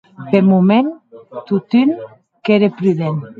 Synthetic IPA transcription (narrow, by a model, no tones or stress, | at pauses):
pemument̪ut̪yn | keɾepɾyðen